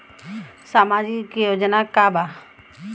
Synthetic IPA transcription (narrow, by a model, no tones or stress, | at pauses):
samad͡ʒikjod͡ʒonakaba